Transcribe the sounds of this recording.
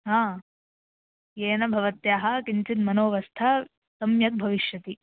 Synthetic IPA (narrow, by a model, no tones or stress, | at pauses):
ɦãː | jeːnɐbʱɐʋɐt̪jaːɦɐ̆kint͡ʃit̪mɐnoːʋɐst̪ʰa | sɐmjɐk̪̚bʱɐʋiʃjɐt̪i